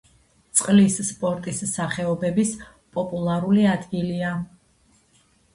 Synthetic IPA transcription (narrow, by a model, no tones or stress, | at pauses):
t̪sʼqʼlisːpʼɔɾt̪ʼisːaχɛɔbɛbis | pʼɔpʼulˠaɾuliad̪ɡilia